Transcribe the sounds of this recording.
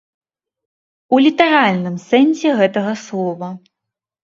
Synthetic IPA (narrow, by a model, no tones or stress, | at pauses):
ulʲit̪ɐɾalʲnɨmsɛnsʲɛɣɛt̪ɐɣɐslˠɔvɐ